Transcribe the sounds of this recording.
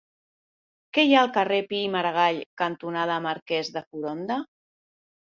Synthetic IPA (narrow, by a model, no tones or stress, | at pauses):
kɛjaəlˠkərepiːməɾəɣaʎkənt̪unað̞əːmaɾkɛzðəfuɾond̪ə